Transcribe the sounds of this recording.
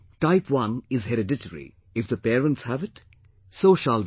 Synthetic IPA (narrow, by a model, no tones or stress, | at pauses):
ʈaɪpʰwʌ̃nɪzɦɛɾɨdɪʈəɾḭ | ɪfd̪əpeːɾə̃ntshævɪt | soːʃæld̪